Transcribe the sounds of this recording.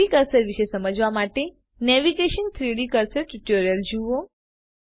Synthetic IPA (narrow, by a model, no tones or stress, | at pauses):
ikəɾsəɾʋiʃesəməd͡ʒʋamaʈe | nɛʋiɡeʃənt̪ʰɾiɽikəɾsəɾʈuʈoɾijəld͡ʒuo